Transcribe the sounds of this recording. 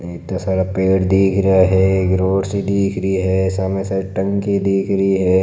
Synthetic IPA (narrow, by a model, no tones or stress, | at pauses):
eːt̪asaːɽapeːʈd̪iːkʰɾɐaɦɛɡɾoːɽsid̪iːkʰɾəɦiɦɛːsaːmesaːɾʈə̃ŋkid̪iːkʰɾəɦiɦɛː